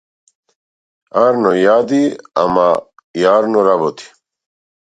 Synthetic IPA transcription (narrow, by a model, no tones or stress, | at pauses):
aɾnojaːd̪iɐ̰ma | jaːɾnoɾabot̪ʰi̥